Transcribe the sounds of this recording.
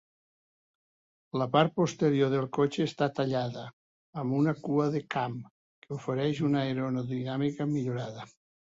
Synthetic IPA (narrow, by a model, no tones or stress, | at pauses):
ləpaɾt̪̚post̪eɾijoðelˠkot͡ʃeːst̪at̪aʎaðəː | mbunakuəðekam | keufeɾɛʃunaeɾonoðinamikəmiʎuɾaðə